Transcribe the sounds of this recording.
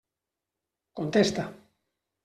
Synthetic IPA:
kont̪est̪a

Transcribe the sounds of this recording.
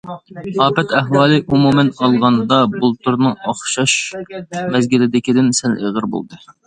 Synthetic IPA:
ɑːpɛt̪ʰæɦwɑːlˠɨʔumumɛnɑlˠʁɑnd̪ɑbulˠt̪uɾnɨŋɑχʃɑʃ | mɛzɡʲilɪd̪ɪkʲid̪ɪnsɛlḛʁəɾbo̰lˠd̪ɨ

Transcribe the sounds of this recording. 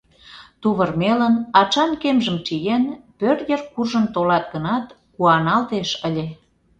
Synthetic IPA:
t̪uβərmelənɑt͡ʃɑnkemʒəmt͡ʃijenpørjərkurʒənt̪olɑt̪̚ɡənɑt̪ | kuɑnɑlt̪eʃəlʲe

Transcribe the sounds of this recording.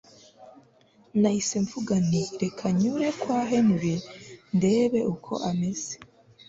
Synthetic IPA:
naiseɱvuɡaniɾe̞kʰaɲuɾe̞kwaːɦe̞nuɾinde̞ːβe̞ʔukʰo̞̰ʔame̞z̥e

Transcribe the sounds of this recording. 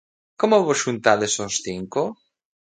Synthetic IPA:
komoβoʃunt̪aðesosθiŋko

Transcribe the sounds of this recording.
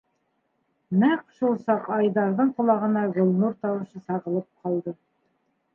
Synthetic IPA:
næqʃulˠsɑqɑjðɑɾðɤɴqŏlˠɑʁɤ̆nɑɡŏlˠnuɾt̪ɑwɤ̆ʃɤsɑʁɤ̆lˠɤp̚qʰɑlˠd̪ɤ

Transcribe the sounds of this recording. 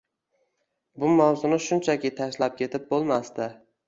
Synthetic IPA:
bʊmawzʊnɪʃʊnt͡ʃʰakʲɪt̪ʰaʃlap̚kʲʰe̞t̪ʰɪp̚bolˠmast̪ɪ

